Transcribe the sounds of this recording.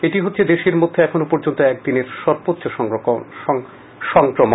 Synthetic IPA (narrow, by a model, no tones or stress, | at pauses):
eʈiɦotːɕʰed̪eʃeɾmod̪ʱːeɛkʰonopɔɾd͡ʑont̪oɛk̚d̪ineɾʃɔɾbotːɕoʃɔ | ʃɔŋkɾomo